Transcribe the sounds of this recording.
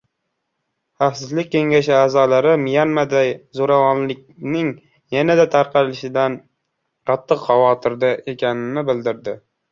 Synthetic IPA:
χɑfsɪzlɪk̚ʲkʲːʰe̞ŋɡʲaʃɪaːzɒlaɾɪmɪjanmad̪ajzoɾavɒnlɪk̚ʲnɪŋ | janad̪at̪ʰaɾqʰɑlɪʃɪd̪an | qʰɑt̪ʰːɨqχɑvɒt̪ʰɪɾd̪aʔe̞kʲanɪnɪbɪld̪ɪɾd̪ɪ

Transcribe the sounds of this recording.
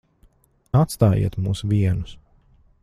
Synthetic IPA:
at̪st̪aːjḭɛt̪muːsuvʲiɛnus

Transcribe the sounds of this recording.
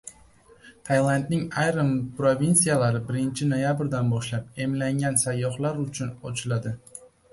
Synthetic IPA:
t̪ʰajlˠand̪nɪŋajɾampɾovʲinsijalaɾɪbɪɾɪnt͡ʃʰɪnojabɾd̪anbɒʃlap̚e̞mlaŋɡʲansajːɒχlˠaɾʊt͡ʃʰʊnot͡ʃʰlad̪ɪ

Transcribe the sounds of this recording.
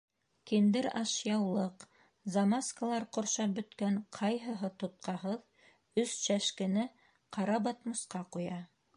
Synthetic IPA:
kind̪ɘɾɑʃjɑwlˠɤq | zɐmaskalˠɑɾqŏɾʃɑbɵ̆t̪kæɴqʰɑjɦɤ̆ɦɤt̪ŏt̪̚qɑɦɤð | ɵsʃæʃkɘ̆nɘ | qɑɾɑbɑt̪mŏsqɑqujɑ

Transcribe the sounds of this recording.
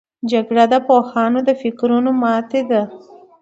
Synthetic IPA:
d͡ʒaɡɽad̪əpohɑnod̪əfɪkɾunomɑt̪ed̪a

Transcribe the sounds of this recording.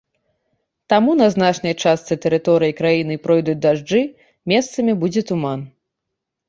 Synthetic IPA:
t̪amun̪ɐznat͡ʂnɐjt͡ʂast̪sɨt̪ɛɾɨt̪ɔɾɨjikɾajinɨpɾɔjd̪ud͡zʲd̪aʐd͡ʐɨ | mʲɛst̪sɐmʲibud͡zʲɛt̪uman

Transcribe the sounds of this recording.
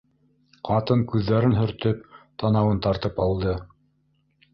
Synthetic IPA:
qʰɑt̪ɤŋkʉðːæɾɘnɦɵ̆ɾt̪ɵp̚t̪ɑnɑwɤnt̪ɑɾt̪ɤpɑlˠd̪ɤ

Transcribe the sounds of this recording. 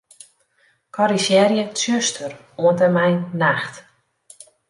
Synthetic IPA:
kʰɔɾisjɛrjətøstʰər | uəntɛmɛjnnaxt

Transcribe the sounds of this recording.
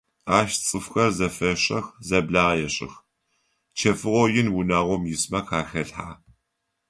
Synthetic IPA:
aːʃt͡sʼɨfxɐrzɐfɐɕʼɐxzɐbɮaːʁjɛɕʼɪ̰x | t͡ʃʰɐfɨʁʷɔjɪnwʊnaːʁʷɔmjɪsmɐkʰaːxɐɬħaː

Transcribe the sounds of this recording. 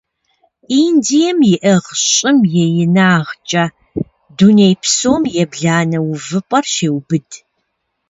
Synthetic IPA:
indijɛmjɪʔɐʁɕʼɪmjɛjɪnaːʁt͡ʃʼɐ | dunejpʰsoːmjɛbɮaːnɐwʊvɨpʷʼɐrʃeːwbɨd

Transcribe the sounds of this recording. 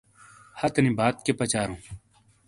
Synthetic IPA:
hɐt̪nĩːbaːt̪̚kepɐt͡ɕaːɾũː

